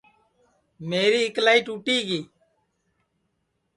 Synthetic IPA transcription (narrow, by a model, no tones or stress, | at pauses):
meːɾiːɪklaːiːʈuːʈiːɡiː